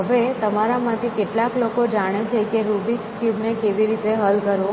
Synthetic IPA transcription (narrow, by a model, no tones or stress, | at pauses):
ɦəʋet̪əmaɾamãt̪ʰikeʈlaklokod͡ʒaɽ̃et͡ʃʰekeɾubikskjubnekeʋiɾit̪eɦəlkəɾo